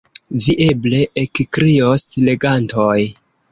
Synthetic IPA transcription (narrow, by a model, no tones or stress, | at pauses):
viʔe̞ble̞ekkɾiosle̞ɡantoj